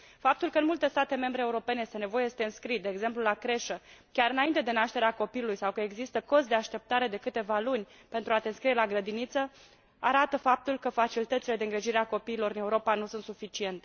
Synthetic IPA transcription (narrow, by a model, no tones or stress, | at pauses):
fap̚t̪ulkəɨnmult̪e̞st̪at̪e̞me̞mbɾeːuɾo̞pe̞nejest̪ne̞vo̞jest̪eɨnskɾid̪e̞ːɡze̞mplulakɾe̞ʃəkʲaɾɨnaint̪ed̪e̞naʃt̪e̞ɾeako̞piulujsawkəe̞ɡzist̪əko̞st̪d̪e̞aʃt̪e̞p̚t̪aɾe̞d̪e̞kɨt̪e̞valunʲ | pe̞nt̪ɾuat̪e̞ɨnskɾije̞laɡɾəd̪init̪sə | aɾat̪əfap̚t̪ulkəfat͡ʃilit̪ət̪ile̞d̪eɨŋɡɾeʒiɾeako̞piːlo̞ɾɨneuɾo̞panusunt̪sufit͡ʃie̞nt̪e